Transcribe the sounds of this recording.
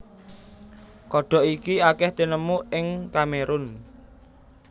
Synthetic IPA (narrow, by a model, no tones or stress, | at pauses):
kɔɖ̥ɔ̤ʔikiakɛht̪enəmuʔɪŋkameɾʊn